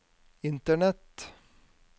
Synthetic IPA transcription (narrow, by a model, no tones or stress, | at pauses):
ɪnt̪əɳɛt̪